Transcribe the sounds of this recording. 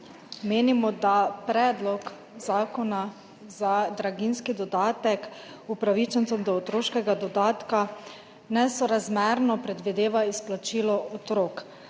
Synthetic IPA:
meːnimɔd̪apɾɛːd̪lɔk | zaːkɔna | zad̪ɾaɡinskid̪ɔd̪aːt̪ɛk | upɾaʋit͡ʃɛnt̪sɛmd̪ɔːt̪ɾoːʃkɛɡad̪ɔd̪aːt̪ka | nɛsɔɾazmɛɾnɔpɾɛd̪ʋid̪eːʋaisplat͡ʃiːlɔɔt̪ɾoːk

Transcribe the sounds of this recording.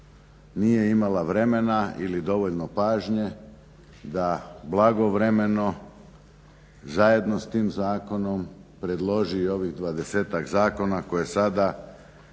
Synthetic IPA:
nije̞imalaʋɾe̞me̞naḭlid̪o̞ʋoʎnopaːʒɲe | d̪ablˠaɡo̞ʋɾe̞me̞no̞ | zaje̞d̪nost̪iːmzaːko̞no̞mpɾe̞d̪lˠo̞ʒio̞ʋiɣd̪ʋad̪e̞seːt̪akzaːko̞nako̞jesad̪a

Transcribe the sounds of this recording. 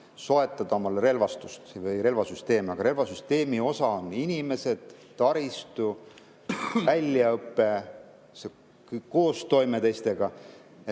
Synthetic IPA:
so̞e̞t̪ːˑɑd̪̥ɑo̞mɑlre̞lvɑst̪ust̪vɯjɾe̞lvɑsyst̪e̞ːmɑɡ̥ɑɾe̞lvɑsyst̪e̞ːmio̞sɑoninʲime̞se̞d̪̥ː | ɑɾist̪u | vælʲːjɑɤpːe̞ | se | ko̞ːst̪o̞jme̞t̪ejst̪e̞ɡ̥ɑ

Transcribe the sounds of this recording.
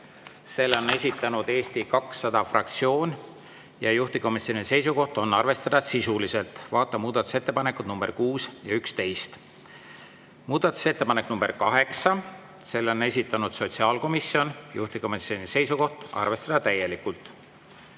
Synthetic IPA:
se̞lːo̞ne̞s̬ʲit̪ːˑɑnud̪̥e̞ːst̪ikɑksːɑd̪̥ɑfrɑkt̪sio̞ːn | jɑjuht̪iko̞misio̞nise̞js̬uko̞ht̪o̞nːɑrve̞st̪ɑd̪̥ɑsisulise̞lt̪ˑvɑːt̪ˑːɑmuːd̪̥ɑt̪ːˑu̥se̞t̪ːe̞pɑnekːˑut̪numb̥e̞rkuːsjɑykst̪e̞jst̪ | muːd̪̥ɑt̪u̥se̞t̪ːe̞pɑneknumb̥e̞rkɑɦe̞ksɑ | se̞lːo̞ne̞s̬ʲit̪ːˑɑnud̪̥so̞t̪ʲsiɑːlko̞misːio̞njṵht̪iko̞misjo̞nise̞jsuko̞ht̪ɑ̰rve̞st̪ɑd̪̥ɑt̪æjːe̞likːult̪ːˑ

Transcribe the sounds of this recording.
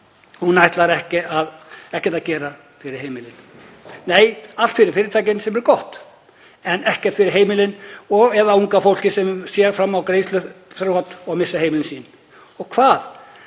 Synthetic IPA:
hunːajht̪laɾɛhcɪaðɛhcɛt̪acɛːɾa | fɪɾɪɾ̥ɦeːjmɪlɪn | neːjalt̪fɪɾɪɾ̥fɪːɾɪt̪ʰaːjcɪnsɛmɛɾkɔht̪ | ɛnɛhcɛɾt̪fɪɾɪɾ̥ɦeːjmɪlɪnɔɣɛðauŋkafowl̥cɪsɛmsjɛɾfɾamːawkɾeːjslʏθɾhɔt̪ɔɣmɪsːaheːjmɪlɪnsiːn | ɔɣkʰvaːð

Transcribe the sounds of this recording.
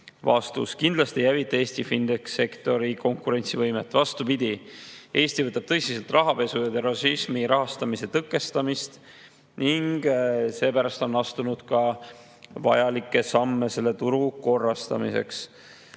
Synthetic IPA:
vɑ̰st̪ṵskind̪̥lɑst̪ejævit̪ːˑeːsʲt̪ifind̪̥ekse̞kt̪o̞ɾiko̞ŋkuɾe̞nʲsivɤjme̞t̪ːˑvɑst̪upid̪̥ʲiʔe̞ːst̪ivɤt̪ːˑɑb̥t̪ɤ̞jsiselt̪ˑrɑɦɑpe̞sujɑd̪eɾɑsismiɾɑɦɑst̪ɑmise̞t̪ɤkːˑe̞st̪ɑmist̪ | niŋɡ̥se̞ːpæɾɑst̪o̞nːɑst̪unud̪̥kɑ | vɑ̰jɑlikːˑe̞sɑmːe̞se̞lːe̞t̪uɾuko̞rːɑst̪ɑ̰mḭse̞̰ks

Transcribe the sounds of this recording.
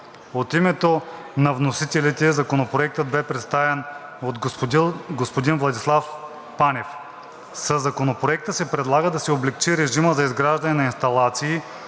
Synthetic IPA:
ot̪imɛt̪o | nɐvnosit̪ɛlit̪ɛzɐkonopɾoɛk̚t̪əd̪̚bɛpɾɛt̪st̪avɛnot̪ | ɡospod̪invlˠɐd̪islˠaf | pːanʲɛf | sɐzːɐkonopɾoɛk̚t̪əsɛpɾɛd̪lˠaɡəd̪ɐsɛoblɛkt͡ʃiɾɛʒiməzɐizɡɾaʒd̪ɐnɛnɐinst̪ɐlˠat̪siː

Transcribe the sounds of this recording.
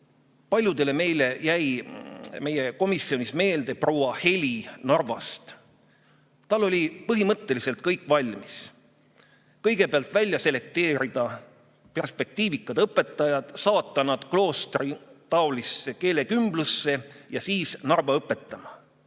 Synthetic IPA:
pɑlʲjud̪̥e̞le̞me̞jle̞jæj | me̞jeko̞misio̞nisme̞ːld̪̥e̞pro̞wɑhe̞lʲinɑrvɑst̪ | t̪ɑlːo̞lʲipɤɦimɤt̪ːe̞lise̞lt̪̚kɤjkːˑvɑlʲmis | kɤjɡ̥e̞peɑlt̪ˑvælʲjɑse̞le̞k̚t̪e̞ːɾid̪̥ɑ | pe̞rspe̞k̚t̪iːvikːˑɑd̪̥ɤpːˑe̞t̪ːˑɑjɑd̪̥sɑːt̪ːɑnɑd̪̥klo̞ːst̪rit̪ɑolisːe̞ke̞ːle̞kymblusːe̞jɑsiːsnɑrvɑɤpːˑe̞t̪ːˑɑmɑ

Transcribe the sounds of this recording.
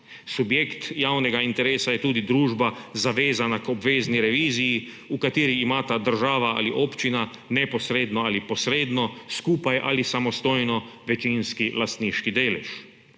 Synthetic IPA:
subjeːkt̪jawnɛɡaint̪ɛɾeːsajɛt̪uːd̪id̪ɾuːʒbazaʋeːzanakɔbʋeːzniɾɛʋiːziji | ukat̪iːɾiːmaːt̪ad̪əɾʒaːʋaa̰liʔoːpt͡ʃina | nɛpɔsɾeːd̪nɔalipɔsɾeːd̪nɔskuːpajʔa̰lisamɔst̪oːjnɔʋɛt͡ʃinskilast̪niːʃkid̪eːlɛ̰ʃ

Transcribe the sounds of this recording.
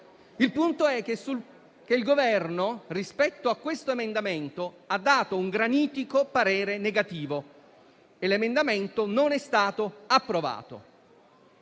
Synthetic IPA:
ilpunt̪oɛksu | keilɡovɛrnorispɛt̪ːoakːwest̪oemend̪ament̪o | ad̪ːaːt̪ouŋɡɾaniːt̪ikopaɾeːɾeneɡat̪iːvo | elemend̪ament̪ononɛst̪aːt̪oapːɾova̰ːt̪o̰

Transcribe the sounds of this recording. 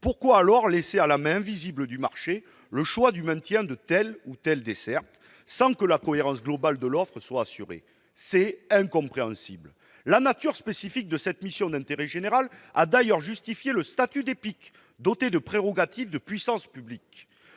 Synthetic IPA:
puʁkwaːlɔʁlesealamɛ̃ɛ̃vizibləd̪ymaʁʃe | ləʃwad̪ymɛ̃t̪jɛ̃d̪ət̪ɛlut̪ɛld̪esɛʁt̪ | sɑ̃kəlakɔeʁɑ̃s̬ɡlɔbald̪əlɔfχəswaːsyʁḛ | sɛɛ̃kɔ̃pχeɑ̃sḭbl | lanat̪yʁspesifik̚d̪əsɛt̪misjɔ̃d̪ɛ̃t̪eʁɛʒeneʁala̰d̪ajœʁʒyst̪ifjeləst̪at̪yd̪epik | d̪ɔt̪ed̪əpχeʁɔɡat̪ifd̪əpɥisɑ̃spyblik

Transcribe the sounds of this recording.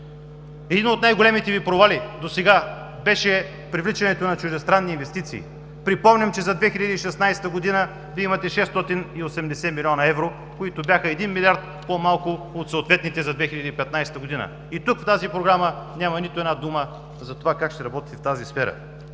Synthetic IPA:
ɛd̪inot̪najɡolʲɛmit̪ɛvipɾovalid̪osɛɡa | bɛʃɛ | pɾivlit͡ʃɐnɛt̪onɐt͡ʃʊʒd̪ɛst̪ɾanːiːnvɛst̪it̪sḭː | pɾipɔmnʲɐmt͡ʃɛzɐd̪vɛxiʎəd̪iːʃɛsnajst̪əɡod̪inə | viːimɐt̪ɛʃɛst̪ɔt̪iniosɛmd̪ɛsɛmilʲɔnɐɛvɾo | koit̪ʊbʲjaxəɛd̪inmilʲiaɾt̪̚pomalˠkʊot̪soːt̪vɛt̪nit̪ɛzɐd̪vɛxilʲʎɐd̪ipɛt̪najsɛ̥t̪əɡoʊd̪inə̰ | it̪ukft̪azipɾoɡɾamənʲjamɐnit̪oɛdnad̪umə | zɐt̪ovakakʃt̪ɛɾɐbɔt̪i̥t̪ɛft̪azisfɛɾə̰

